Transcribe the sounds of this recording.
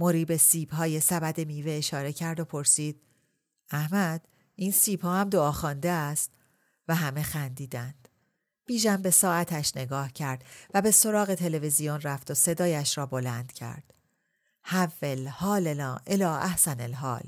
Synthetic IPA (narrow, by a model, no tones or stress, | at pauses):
mo̞ɾiːbe̞siːbhɒːje̞sæbæd̪e̞miːveːʃɒːɾe̞cʰæɾd̪o̞pʰo̞ɾsiːd̪̥̚ | æhmæd̪̥ | iːnsiːb̥hɒːhæmd̪oɒːxɒːnd̪e̞æst̪ | væɦæme̞xænd̪iːd̪ænd̪̥ | b̥iːʒæmbe̞sɒːæt̪ʰæʃne̞ɡɒːhcʰæɾd̪̥væbe̞so̞ɾɒːɣe̞t̪ʰe̞le̞vezijonræft̪ose̞d̪ɒːjæʃɾɒːbo̞lænd̪̥cʰæ̰ɾd̪̥ | hævːelhɒːlelːʔelɒːʔæhsænelɦɒ̰ːl